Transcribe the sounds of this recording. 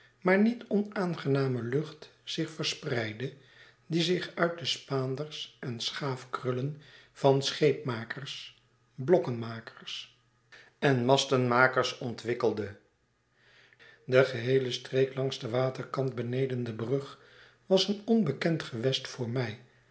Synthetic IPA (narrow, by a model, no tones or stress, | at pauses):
maːɹnitɔnaːnχənaːməlɵχtsɪχfəɹsprɛjdə | dizɪχœɥt̚dəspaːndəɹsʔɛnsχaːfkrʏlən | v̥ɑnsχejp̚maːkərs | blɔkənmaːkə̥ɹs | ɛnmɑstənmaːkəɹsɔntʋɪkəlˠdə | dəχəɦejləstreɪklɑŋzdəʋaːtəɹkɑnt̚bənejdəndəbrɵχ | ʋɑsənɔnbəkɛntχəʋɛstfʊːɹmɛj